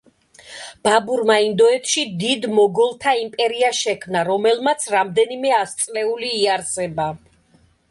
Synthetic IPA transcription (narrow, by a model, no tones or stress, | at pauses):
b̥abuɾmaind̪ɔɛt̪ʰʃid̪id̪mɔɡɔlˠt̪ʰaimpʼɛɾiaʃɛkʰmnaɾɔmɛlmat̪sʰɾamd̪ɛnimɛast̪sʼlɛuliːaɾzɛba